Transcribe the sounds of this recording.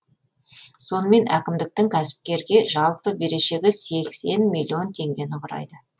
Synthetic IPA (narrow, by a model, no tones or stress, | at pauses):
so̞nəme̞nækʲɪmd̪ɪk̚t̪ɪŋkʲʰæsɪ̥p̚kʲe̞ɾɡʲe̞ʒɑlˠpəbe̞ɾe̞ʃe̞ɡʲɪse̞kse̞nmilʲːio̞nt̪ʰe̞ŋɡʲe̞nʊqʰʊɾɑ̰jd̪ə